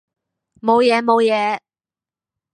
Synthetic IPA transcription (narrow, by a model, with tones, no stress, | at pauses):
mo˨˧wjɛː˨˧mo˨˧wjɛː˨˧˥